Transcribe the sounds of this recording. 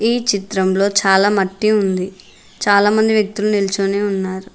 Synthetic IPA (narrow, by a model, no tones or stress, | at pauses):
iːt͡ʃit̪ɾɐmlo̞ːt͡ʃaːlaːmɐʈːiund̪i | t͡ʃaːlaːmɐnd̪iʋjɐk̚t̪ulunilut͡ʃoːneːunːaːɾu